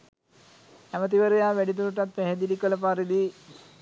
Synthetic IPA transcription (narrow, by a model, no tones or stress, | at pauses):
æmət̪̬iʋəɾejaːʋæɖit̪̬uɾuʈ̬at̪̚pæɦed̪idikələpaɾid̪i